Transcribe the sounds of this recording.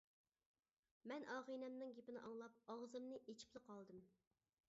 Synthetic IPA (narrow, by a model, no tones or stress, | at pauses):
mɛnʔɑːʁinɛmnɨŋɡʲepɪnɪ̰ʔɑŋlˠɑp̚ɑʁzɨmnɨʔet͡ʃʰi̥plˠɨqʰɑlˠd̪ɨm